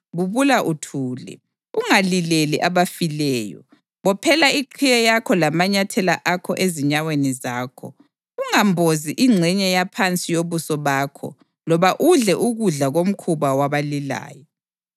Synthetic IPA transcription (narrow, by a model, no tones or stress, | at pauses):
βuβulaʔutʰuːlɛ̰ | uŋalileliʔaβafilɛːjɔ̰ | βɔpʰɛlaiǃʰijɛjakʰɔlamaɲatʰɛlaʔakʰɔ̰ʔeziɲawenizaːkʰɔ̰ | uŋambʱoziʔiŋ͡ǀʱɛɲɛjapʰant͡sʼijoβusɔβaːkʰɔ̰ | lɔβaʔuɮɛʔuɣuɮaɣom̩kʰuβawaβalila̰ːjɔ